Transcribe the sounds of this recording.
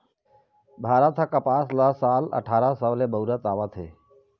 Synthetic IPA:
bʱaːɾət̪ʰakəpaːslasaːlə̰ʈʰaːɾasəʋlebəuɾət̪aːʋat̪ʰɦeː

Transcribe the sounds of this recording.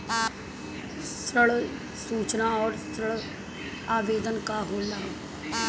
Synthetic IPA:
sɾəɭ | suːt͡ʃnaːɔːɾsɾəɭ | aːʋeːd̪ənkaːɦoːnd̪aː

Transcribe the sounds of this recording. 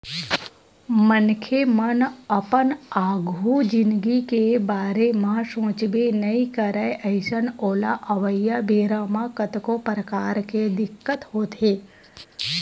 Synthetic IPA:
mənkʰemənəpənaːɡʱud͡ʒɪnɡikebaːɾemãʃõːt͡ʃbenəikəɾəeʔəɪʃənoːla̰ʔɐʋəjːabʱeːɾaːmãkət̪kopɾəkaːɾked̪ɪkːət̪ɦoːt̪ɦeː

